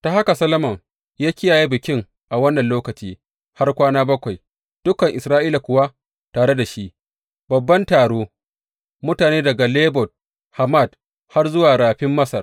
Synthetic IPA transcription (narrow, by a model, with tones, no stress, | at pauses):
ta˨ha˦ka˨sɐ˦lɐ˦mɐ˨ŋ | jaː˦kʲɪ˦jaː˨ji˦bɪ˨kʲɪ˦ŋ | ʔa˨wɐ˦nːɐ˨nloː˦kɐ˨t͡ʃiː˦ | ha˦rkʷaː˦naː˦bɐ˦kʷa˨j | d̥ʊ˦kɐ˨ŋʔɪ˨sɾaː˦ʔiː˦la˨kʷʊ˨wa˦ | taː˨ɽe˦da˨ʃi˦ʔ | bɐ˨bːɐ˦ntaː˨ɽoː˦ | mʊ˦taː˨neː˦dɐ˨ɡa˨leː˦bɔ˨t̚ | ha˨ma˦˨d | ha˦rzʊ˦waː˨ɽaː˨ɸɪ˦mːɐ˦sɐ˨r